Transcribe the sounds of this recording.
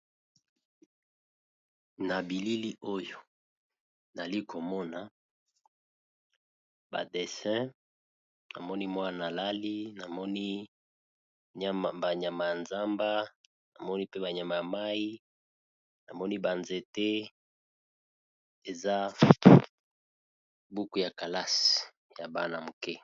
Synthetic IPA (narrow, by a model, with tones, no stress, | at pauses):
na˨bi˨li˦li˦o˦jo˨ | na˨a˨li˦ko˨mɔ˦na˨ | ba̰˨de˨sɛ̃˦ | na̰˨mɔ˦ni˦mwa˦na˨la˦li˦na˨mɔ˦ni˦˨ | ba˨ɲa˨ma˨ja˨nza˦mba˦ | na˨mɔ˦ni˦pe˦ba˨ɲa˨ma˨ja˨ma˦i˦ | na˨mɔ˦ni˦ba˨nze˨te˦ | e˨za˦ | bu˦ku˨ja˨ka˨la˦s | ja˨ba̰˨na˨mu˨ke˦